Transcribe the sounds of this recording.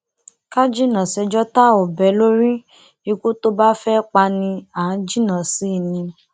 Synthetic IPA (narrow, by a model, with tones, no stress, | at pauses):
ka˦d͡ʒi˦nã˨sɛ˧d͡ʒɔ˦ta˦o˨bɛ˨˦lo˦ɾi˦ | i˧kʷo˦to˦ba˦fɛ˦k͡pa˧nĩ˧ã˨˦d͡ʒi˦nã˨si˨˦˨nĩ˧